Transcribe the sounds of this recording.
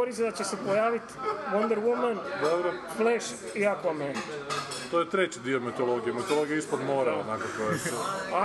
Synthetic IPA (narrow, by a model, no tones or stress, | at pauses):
oɾis̬ed̪at͡ɕesepojaːʋit̪ʋond̪eɾwumand̪obɾo | flɛʃ | iakoame | t̪ojet̪ɾet͡ɕid̪iomet̪olˠoɡijemet̪olˠoɡijeispod̪moɾaonakokojesua